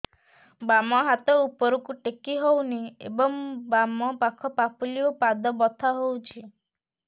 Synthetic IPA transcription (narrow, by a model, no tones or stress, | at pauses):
bamɔɦat̪ɔupɔɾukuʈekiɦowniḛbɔŋbamɔpakʰɔpapuliopad̪ɔbɔt̪ʰaɦowt͡ʃʰi